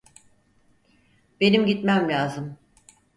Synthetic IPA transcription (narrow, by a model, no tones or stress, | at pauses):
be̞nimɟit̪mæmlʲaːzɯm